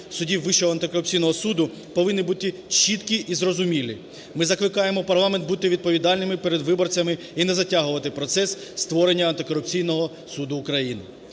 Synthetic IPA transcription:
sʊdʲiwʋɪʃɔɦɔɐnt̪ɪkɔɾʊp̚t͡sʲijnɔɦɔsud̪ʊ | pɔʋɪnːɪbut̪ɪt͡ʃit̪kʲiʔizrɔzʊmʲilʲḭ | mɪzɐklˠɪkɑjemɔpɐrlˠɑment̪̚but̪ɪʋʲid̪̚pɔʋʲid̪ɑlʲnɪmɪpeɾed̪ʋɪbɔrt͡sʲɐmɪ | inɛzɐtʲaɦʊʋɐt̪ɪpɾɔt̪sɛsst̪ʋɔɾenʲːɐɐnt̪ɪkɔɾʊp̚t͡sʲijnɔɦɔ | sud̪ʊːkɾɐjinɪ̰

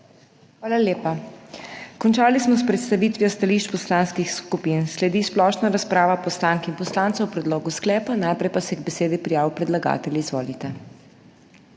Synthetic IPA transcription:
xʋaːlaljeːpa | kɔnt͡ʃaːlismɔspɾɛt̪st̪aʋiːt̪ʋijɔst̪aliːʃt͡ʃpɔslaːnskixskupiːnslɛd̪iːsplɔʃnaɾaspɾaːʋapɔslaːŋkinpɔslaːnt̪sawpɾɛd̪loːɡusklɛːpanajpɾɛjpasɛɛɡbɛseːd̪ipɾijaːwpɾɛd̪laɡa̰ːt̪ɛljiizʋoːlit̪ɛ

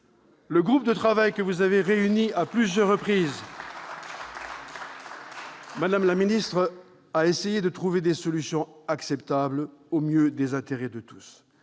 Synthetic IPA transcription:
ləɡʁup̚d̪ət̪χavajkəvuzaveʁeyniaplyzjœʁːəpχiz | mad̪amlaminist̪χ | aesejed̪ət̪χuved̪esɔlysjɔ̃aksɛpt̪ablomjød̪ezɛ̃t̪eʁɛd̪ət̪u̥s

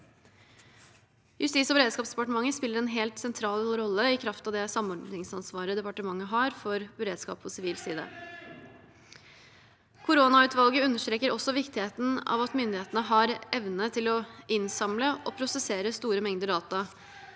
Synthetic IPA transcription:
jʉst̪iːsɔbəɾeːd̪skɑːpsd̪ɛpɑʈəmɑŋːəspɪlːəɾɛnɦɛlt̪sɛnt̪ʰɾɑːlɾɔlːəɪkʰɾɑft̪ɑʋd̪ɛsɑmɔɾɖnɪŋsɑnsʋɑːɾəd̪ɛpɑʈəmɑŋːəɦɑɾfɔɾbəɾeːd̪skɑ̰ːpʰɔsɪʋiːlsiːd̪ɑ̰ | kʰʊɾoːnɑʉːt̪ʋɑlɡəʉnːəʂt̪ɾeːkəɾɔsːɔʋɪkt̪ɪheːt̪n̩ɑ̰ːʋɑt̪mʏnd̪ɪheːt̪nəɦɑɾɛʋnət̪ʰɪlɔɪnsɑmləɔpʰɾʊsɛseːɾəst̪uːɾəmɛŋd̪əd̪ɑːt̪ɑ

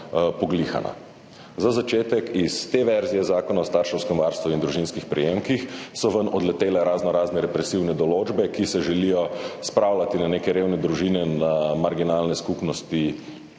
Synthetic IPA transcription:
pɔɡlixa̰na̰ | zazat͡ʃeːt̪ɛkist̪eʋɛɾzijɛzaːkɔnaɔst̪aːɾʃɛwskɛmʋaɾst̪ʋuind̪ɾuʒinskixpɾɛjemkixsɔʋənɔd̪lɛt̪eːlɛɾaːznɔɾaːznɛɾɛpɾɛsiwnɛd̪ɔloːd͡ʒbɛkisɛʒɛlijɔspɾaːwlat̪inaneːkɛɾewnɛd̪ɾuʒiːnɛnamaɾɡinaːlnɛskupnɔst̪i

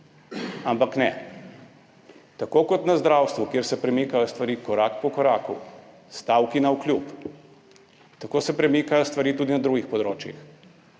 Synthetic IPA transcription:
ampaknɛ̰ | t̪akoːkɔt̪nazd̪ɾawst̪ʋukjeːɾsɛpɾɛmikajɔst̪ʋaɾiːkɔɾakpɔkɔɾaːkṵ | st̪awkinauklʲjup | t̪akoːsɛpɾɛmiːkajɔst̪ʋaɐɾiːt̪uːd̪inad̪ɾuɡixpɔd̪ɾoːt͡ʃjḭx

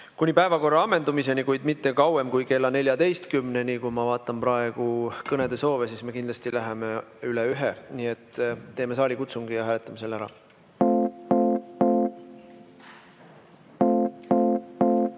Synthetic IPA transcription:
kunʲipæe̞vɑko̞rːɑɑmːe̞nd̪umise̞nikujd̪mit̪ːe̞kɑwe̞mkujke̞lːɑne̞lʲjɑd̪e̞jst̪kymnenikujmɑvɑːt̪ːˑɑmprɑe̞ɡ̥ukɤne̞d̪̥e̞so̞ːvesiːsme̞kind̪lɑst̪ilæɦemeyleyɦeniet̪ːe̞ːme̞sɑːlʲikut̪suŋɡ̥ijɑɦæːle̞t̪ːˑɑmese̞lːæɾɑ̰

